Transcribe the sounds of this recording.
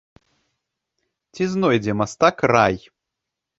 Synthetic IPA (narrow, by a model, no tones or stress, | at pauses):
t͡sʲiznɔjd͡zʲɛmast̪akraj